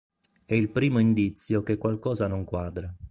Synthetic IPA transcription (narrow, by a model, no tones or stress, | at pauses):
ɛilpɾiːmoind̪it̪sːjokekːwalkɔːzanoŋkwaːd̪ɾe